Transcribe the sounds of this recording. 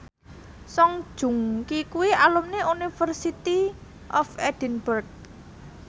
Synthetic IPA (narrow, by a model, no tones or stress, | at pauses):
sɔŋd̥ʒ̥ṳŋkikuwialumneunifərsit̪i | ʔɔfɛd̥ənbərk̚